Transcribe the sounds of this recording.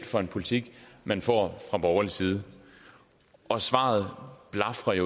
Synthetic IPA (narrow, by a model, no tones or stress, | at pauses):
d̥fɒ̽e̝npʰo̝lit͡sʰiɡ̥mænfɒ̰ːfʁɑ̈b̥ɒʊɐlisiːð̞̩ˠ | ʔɒ̽sʋɑ̰̈ð̩ˠb̥lɑ̈fʁɐjo